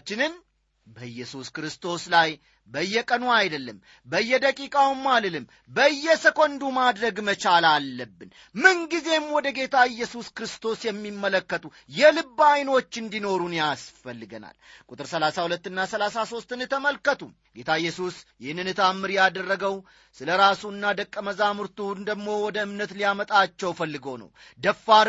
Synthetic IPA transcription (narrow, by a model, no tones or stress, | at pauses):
t͡ʃːɪnɨn | bəɨjːɛsuskɾɨst̪ʰo̞slaj | bəɨjːɛkʼənuajd̪əlːəm | bəɨjːɛd̪əkʼikʼawmːalɨlɨm | bəɨjːɛsəkʼond̪umad̪ɾəɡmət͡ʃalalːəbːɨn | mɨnɡize̞mwɔd̪əɡe̞t̪ʰaɨjːɛsuskɾɨst̪ʰo̞sjɛmːimːələkːət̪ʼu | jɛlɨbːajno̞t͡ʃːɨnd̪ino̞ɾunjasfəlːɨɡə̰na̰lkʼut̪ʼɨɾsəlasahulət̪ːɨnːasəlasaso̞st̪ɨnɨt̪ʰəməlkːət̪ʰʼu | ɡe̞t̪ʰaɪjːɛsusjɪhnɨnɨt̪ʰamːɨɾjad̪ərːəɡəw | sɨləɾasuɨnːad̪əkʼːəməzamɨɾt̪ʰund̪əɡmo̞wɔd̪əɨmnət̪lijamət̪ʼat͡ʃːɛwfəlːɨɡonə̰wd̪əfːaɾ